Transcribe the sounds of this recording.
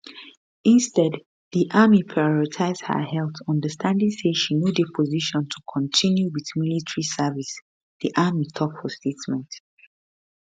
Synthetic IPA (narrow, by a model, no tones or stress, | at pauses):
ĩnstɛd | ðiʔamipʰɹaɔɹitʰaɪzd̥hə̰hɛlˠθɔ̃ndəstʰãndĩŋseʃinjudəpʰɔziʃɔ̃ntʰukʰɔ̃ntʰĩnjuwiðmilitʰɹisɛvis | ðiʔamitʰɔpfɔstʰetmɛ̃nt